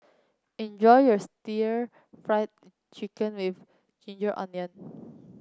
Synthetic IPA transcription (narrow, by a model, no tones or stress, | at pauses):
ɛ̃nd͡ʒɔjjɔstiɹ | fɹajt̚ | t͡ʃikə̃nwif | d͡ʒĩnd͡ʒəɹʔɔ̰̃nə̃n